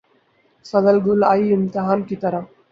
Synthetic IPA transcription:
sɐd̪əlɡʊlaːiɪmt̪ɪɦaːnkit̪ɐɾa

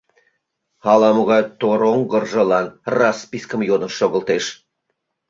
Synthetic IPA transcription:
hɑlɑmoɣɑjt̪oɾoŋɡərʒə̆lɑnrɑspiskəmjod̪ə̆nʃoɣə̆lt̪eʃ

